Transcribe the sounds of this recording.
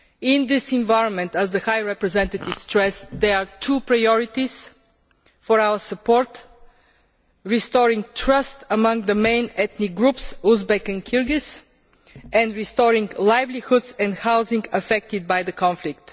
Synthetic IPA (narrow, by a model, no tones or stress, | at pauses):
ɪ̃nd̪ɪsɪ̃nvaɪɾɔ̃nmɛ̃nt̪əzðəhajɹɛpɹɛzɛ̃nt̪ət̪ɪv̥stɹɛsd̪ɛɹat̪ʰupɹajɔɹɪt̪iz̥ | fɔɹaʊəsəpɔɹt̪ | ɹist̪ɔɹɪ̃ŋ̚tʰɹʌst̪əmʌ̃ŋɡd̪əmẽɪ̃nɛt̪niɡɹupsuzbɛkɨ̃nkʰɪɹɡɪs | ʔɛ̃ndɹist̪ɔɹɪ̃ŋɡlaɪvlihʊd̪sɛ̃nd̪haʊzɪ̃ŋɡəfɛk̚t̪ɪd̪̚bajðəkʰɔ̃nflɪk̚t̪